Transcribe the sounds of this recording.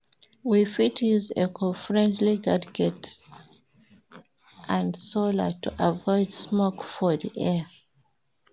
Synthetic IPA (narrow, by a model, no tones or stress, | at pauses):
wifitʰjuzḛkʰɔfɹɛ̃ndliɡadɡɛt | ʔãndsolə̰tṵʔavɔɪdsmɔkfɔðḭʔɛ